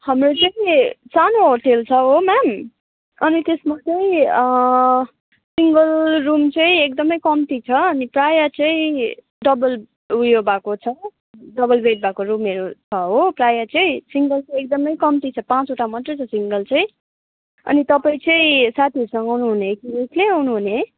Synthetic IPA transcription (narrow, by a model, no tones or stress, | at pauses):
hʌmrot͡sʌĩsanoɦorʈʰelt͡sʰʌɦomam | ʌnit̪esmat͡sʌĩ | siŋɡʌlrumt͡sʌĩek̚d̪ʌmʌjkʌmt̪it͡sʰʌʌniprajat͡sʌ̃ĩ | ɖʌbʌl | ujobʱakot͡sʰʌ | ɖʌbʌlbʱeʈ̚bʱakoɾumeɾot͡sʰʌɦoprajat͡sʌĩsiŋɡʌlt͡sʌ̃ek̚d̪ʌmʌjkʌmt̪it͡sʰʌpãt͡suʈamʌt̪rʌt͡sʰʌsiŋɡʌlt͡sʌ̃ĩ | ʌ̰nit̪ʌpaĩt͡sʌĩsat̪ʰiʌɾusʌ̃ŋɡʌawnuɦunekiekʰleawnuɦune